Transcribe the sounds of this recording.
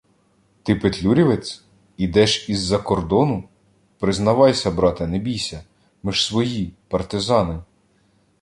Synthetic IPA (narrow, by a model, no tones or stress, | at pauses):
t̪ɪpet̪lʲuɾʲiʋet͡sʲ | id̪ɛʃizːɐkɔrd̪ɔnʊ | pɾɪznɐʋɑjsʲɐbɾɑt̪ɐnebʲijsʲɐ | mɪʃsʋɔjipɐrt̪ɪzɑnɪ